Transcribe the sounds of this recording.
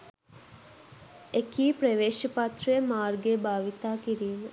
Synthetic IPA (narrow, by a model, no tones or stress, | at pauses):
ekiːpɾeʋeːʃəpat̪rəjəmaːrɡebaːʋit̪aːkiɾiːmə